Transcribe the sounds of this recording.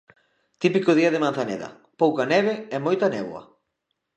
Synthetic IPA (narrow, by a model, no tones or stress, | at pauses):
t̪ipikʊðiɐðɪmãn̟θanɛ̰ðɐ̰ | powkanɛβ̞eɛmojt̪anɛβw̰ɐ̰